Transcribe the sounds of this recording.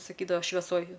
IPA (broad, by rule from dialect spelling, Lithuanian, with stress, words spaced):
sɐˈkʲiːdɐʋɐ ʃʲʋʲɛˈsoːj